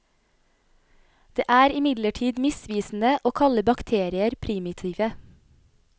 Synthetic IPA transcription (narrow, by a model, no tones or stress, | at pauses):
d̪̥ḛːʔæːɾɪmɪd̪ləʈʰiːd̪mɪsʋiːsn̩əʔoːkʰɑləbɑkt̪ʰeːɾɪəɾpʰɾɪmɪt̪ʰiːʋə